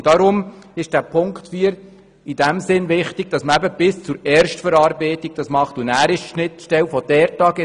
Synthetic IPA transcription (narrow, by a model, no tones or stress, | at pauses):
d̥ɑɾʊmɪʃd̥æpʰʊŋktfiːəɾ | id̥æmsɪnʋɪχtɪɡ̥̚d̥ɑsməæbəb̥ɪst͡suɾɛːɾʃtfəɾɑːɾbɛɪtɪɡ̚d̥ɑsmɑχtunæːɾɪʃʃnɪtʃtɛlfɔd̥ɛɾtɑːɡɛ